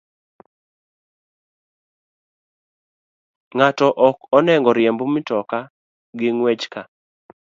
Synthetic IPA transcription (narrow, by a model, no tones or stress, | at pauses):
ŋatɔʔɔkɔnɛŋɡɔɾjembomɪtɔka | ɡɪŋwet͡ʃka